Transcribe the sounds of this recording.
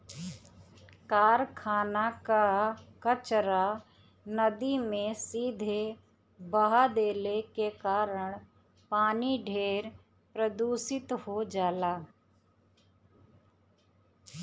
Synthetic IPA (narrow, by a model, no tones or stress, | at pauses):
kaːɾkʰaːnakakət͡ʃɾa | nəd̪imẽsiːd̪ʱe | bəɦad̪eːlekekaːɾəɽ̃ | paːniɖʱeːɾ | pɾəd̪uːsɪt̪hod͡ʒaːlaː